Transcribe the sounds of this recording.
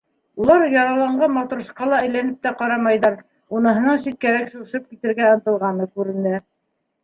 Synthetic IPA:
ulˠɑɾjɑɾɑlˠɑɴɢɑnmɑt̪uɾsqɑlˠɑɘ̆jlænɘp̚t̪æqɑɾɑmɑjðɑɾ | unɤ̆ɦɤ̆nɤɴsit̪̚kæɾækʃuɾʃɤp̚kit̪ɘ̆ɾɡæɤ̆nt̪ɤ̆lˠʁɑnɤkʉɾɘ̆nd̪ɘ

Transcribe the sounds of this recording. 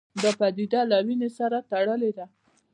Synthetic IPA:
d̪əpad̪id̪alawinesaɾat̪aɽəled̪a

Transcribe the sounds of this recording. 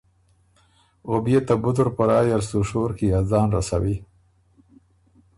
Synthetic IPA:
ɣʊbjet̪abʊd̪ʊɾpaɾɑːjaɾsuʃoːɾkijazɑːnɾasa̰wi

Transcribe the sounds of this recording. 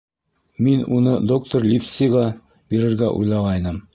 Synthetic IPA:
minunɤd̪ok̚t̪oɾlʲifsʲiʁɑ | b̥iɾɘ̆ɾɡæʔṵjlˠɑʁɑjnɤm

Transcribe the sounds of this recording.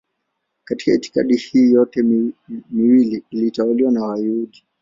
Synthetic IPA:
kati̥kaiti̥ka̰ɗihiːjɔtɛmiwiliilitauliwanawaiuɗi

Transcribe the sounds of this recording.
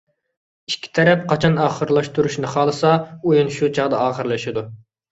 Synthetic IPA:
i̥ʃkʲʰːi̥t̪ʰɛɾɛp̚qʰɑt͡ʃʰɑnɑːχəɾlˠɑʃt̪uɾuʃnɨχɑːlˠɨsɑujunʃut͡ʃʰɑʁd̪ɑɑːχəɾlˠɨʃid̪u

